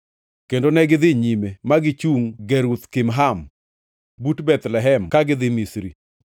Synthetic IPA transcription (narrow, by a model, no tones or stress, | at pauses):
kendonɛɡɪd̪ɪɲimemaɡɪt͡ʃuŋɡeɾut̪kɪmɦam | butbɛt̪lɛɦɛmkaɡɪd̪ɪmisɾḭ